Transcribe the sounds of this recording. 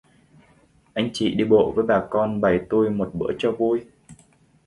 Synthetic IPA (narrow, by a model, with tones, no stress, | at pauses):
ʔa˧jŋ̟t͡ɕḭ˧˨ɗi˧ɓo̰˧˨vəː˨˦jɓaː˨˩kɔ˧nɓə˧˩jt̪u˧jmo˨˩t̚ɓə̰ː˧˥ət͡ɕɔ˧vu˧j